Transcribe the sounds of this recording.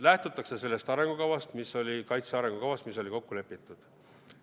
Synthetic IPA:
læht̪ut̪ːˑɑkse̞se̞lːe̞st̪ɑɾe̞ŋɡ̥ukɑwɑst̪miso̞lʲikɑjt̪seɑɾe̞ŋɡ̥ukɑwvɑst̪miso̞lʲiko̞kːule̞pːˑit̪ːˑud̪̥

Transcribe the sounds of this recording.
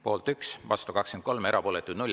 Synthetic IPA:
po̞ːlt̪yksvɑ̰st̪ukɑksken̚ko̞lme̞ɾʔɑpo̞ːlɛt̪ːˑud̪nulʲ

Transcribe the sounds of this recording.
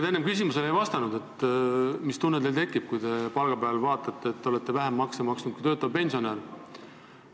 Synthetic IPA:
d̪enːemkysʲimuselejvɑst̪ɑnud̪e̞t̪ː | mist̪unːed̪elt̪e̞kːˑib̥̚kujt̪e̞pɑlɡ̥ɑbeɑlvɑːt̪ːˑɑt̪ːe̞ːt̪ːeole̞t̪ːˑe̞væɦemːɑksemɑksnud̪̥̚kujt̪øːt̪ːˑɑpe̞nʲsio̞neːɾ

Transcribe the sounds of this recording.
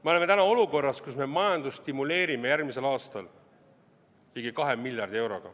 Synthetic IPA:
me̞o̞le̞me̞t̪ænɑo̞luko̞rːɑskusme̞mɑjɑnd̪ust̪imule̞ːɾime̞jærɡmise̞lɑːst̪ɑl | t̪iɡikɑɦemːilʲjɑrd̪̥ie̞wɾo̞ɡ̥ɑ̰

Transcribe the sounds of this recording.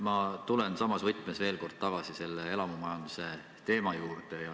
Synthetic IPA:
mɑt̪ule̞nsɑmɑsvɤjt̪ːˑmesve̞ːlko̞rd̪̥̚t̪ɑɡ̥ɑsise̞lːee̞lɑmumɑjɑnd̪̥use̞ | t̪e̞ːmɑjuːrd̪ejɑ

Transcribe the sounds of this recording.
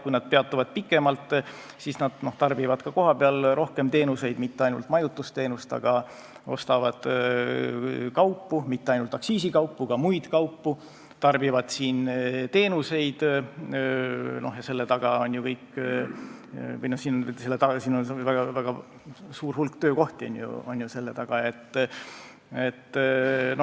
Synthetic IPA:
kujnɑd̪̥pe̞ɑt̪ːˑuvɑd̪̥̚pikːˑe̞mɑlt̪ | siːsnɑd̪̥no̞ht̪ɑrbivɑd̪̥kɑko̞ɦɑpe̞ɑlro̞hke̞mt̪e̞ːnuse̞jd̪mit̪ːeɑjnṵlt̪ˑmɑjut̪ːˑust̪e̞ːnust̪ɑ̰ɡ̥ɑ | o̞̰st̪ɑvɑd̪̥ | kɑwpːumit̪ːeɑjnult̪ɑksiːsikɑwpːukɑmujd̪̥kɑwpːu | t̪ɑrb̥ivɑd̪̥siːnt̪e̞ːnuse̞jd̪̥ | no̞hjɑse̞lːet̪ɑɡ̥ɑo̞nʲjukɤjk | vɤjnohsiːnonselːet̪ɑsiːnonvæɡ̥ɑvæɡ̥ɑ | suːrhulkt̪øːko̞ht̪ionʲjṵo̞̰nʲjuse̞lːe̞t̪ɑɡ̥ɑe̞t̪ːˑ | e̞t̪ːno

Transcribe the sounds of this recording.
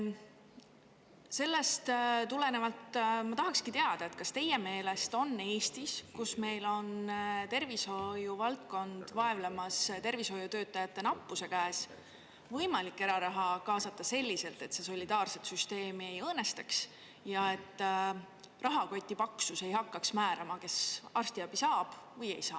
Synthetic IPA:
se̞lːe̞st̪t̪ule̞ne̞vɑlt̪ːmɑt̪ɑɦɑkskit̪e̞ɑd̪̥ɑe̞t̪kɑst̪e̞jeme̞ːle̞st̪o̞nːe̞ːst̪iskusme̞jlo̞nt̪e̞rviso̞juvɑlt̪̚ko̞nd̪̥vɑe̞vlemɑst̪e̞rvisho̞jut̪ø̞ːt̪ːˑɑjɑt̪ˑːe̞nɑpːˑuse̞kæːs | vɤjmɑlikːe̞ɾɑɾɑɦɑkɑːsɑt̪ːˑɑse̞lʲːise̞lt̪e̞t̪se̞so̞lʲid̪ɑːrse̞t̪syst̪e̞ːmie̞jɤːne̞st̪ɑks | jɑe̞t̪ː | rɑɦɑko̞jt̪ʲːˑipɑksuse̞jɦhɑkːɑksmæːɾɑmɑke̞sɑrst̪iɑb̥isɑːb̥vɤje̞̰jsɑ̰ː

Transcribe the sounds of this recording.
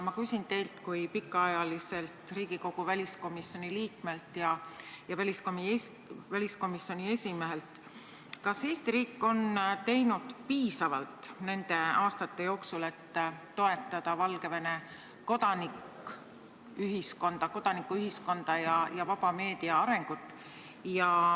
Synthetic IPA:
mɑkysʲint̪e̞jlt̪kujpikːˑɑɑjɑlise̞lt̪riːɡ̥iko̞ɡ̥uvælʲisko̞misːjo̞niliːkme̞lt̪jɑjɑvælʲiskom | vælʲisko̞misːjo̞nie̞sʲime̞ɦelt̪ | kɑse̞ːst̪iɾiːkːo̞nt̪e̞jnud̪̥piːsɑvɑlt̪ne̞nd̪̥e̞ɑːst̪ɑt̪ːe̞jo̞ːksule̞t̪ː | o̞e̞t̪ːˑɑd̪̥ɑvɑlɡ̥e̞vene̞ | ko̞d̪̥ɑnik | yɦisko̞nd̪̥ɑko̞d̪̥ɑnikːˑuyɦisko̞nd̪̥ɑjɑjɑvɑb̥ɑme̞ːd̪̥iɑɑɾe̞ŋɡ̥ut̪ːˑ | jɑ

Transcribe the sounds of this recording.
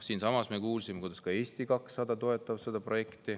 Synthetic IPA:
siːnsɑmɑsme̞kuːlsimekujd̪̥ɑ̥skɑe̞ːst̪ikɑksːɑd̪ɑt̪o̞e̞t̪ːˑɑvsed̪ɑpro̞je̞kt̪i

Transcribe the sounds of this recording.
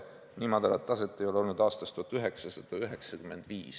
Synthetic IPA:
niːmɑd̪̥ɑlɑt̪ːɑse̞t̪ˑːejo̞leo̞lnud̪̥ɑːst̪ɑst̪uhɑt̪yɦe̞ksɑsɑd̪̥ɑyɦe̞ksɑkyme̞nd̪̥viːs

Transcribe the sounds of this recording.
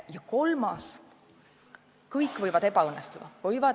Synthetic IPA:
jɑko̞lmɑs | kɤjkːˑvɤjvɑd̪e̞bɑɯnːest̪ud̪̥ɑvɤjvɑd̪

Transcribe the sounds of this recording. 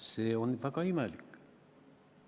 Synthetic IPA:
seːonʋækɑimælik

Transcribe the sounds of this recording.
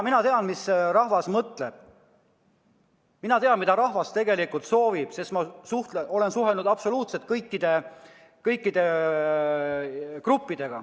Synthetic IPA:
minɑt̪e̞ɑnmisrɑhvɑsmɤt̪ˑle̞b̥ | minɑt̪e̞ɑnmid̪ɑɾɑhvɑst̪e̞ɡe̞likult̪so̞ːvib̥se̞st̪mɑsuht̪ʔo̞le̞nsuɦelnud̪̥ɑb̥so̞luːt̪set̪̚kɤjkːˑid̪̥e̞ | kɤjkˑːid̪̥e̞ | krupːid̪̥e̞ɡ̥ɑ̰

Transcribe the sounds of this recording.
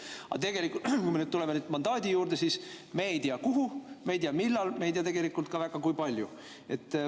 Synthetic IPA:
ɑ̰t̪e̞ɡ̥e̞likːˑukujme̞nyːd̪t̪ule̞menyːd̪̥mɑnd̪ɑːd̪̥ʲijuːɾd̪e̞siːsmeːjt̪iɑkuɦumejt̪iɑmilːɑlmeejt̪ijɑt̪e̞ɡ̥e̞likːˑult̪̚kɑvæɡ̥ɑkujpɑlʲju | e̞t̪ːˑ

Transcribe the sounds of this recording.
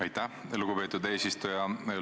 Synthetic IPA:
ɑjt̪ːæhluɡ̥upe̞ːt̪ːud̪e̞ːsist̪ujɑe

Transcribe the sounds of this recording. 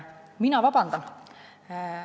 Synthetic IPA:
minɑvɑb̥ɑnd̪̥ɑn

